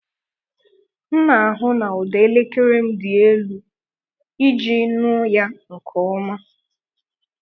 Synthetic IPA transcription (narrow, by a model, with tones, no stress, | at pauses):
n̩˦na˨a˨ɦʊ˦na˨ʊ˨de˨e˦le˦ke˦ɾe˦m̩˦dɪ˨e˦lu˦ | i˦d͡ʒi˦nʊ˦ja˦ŋ̩˨kʰɔ˨˦ɔ˦ma˦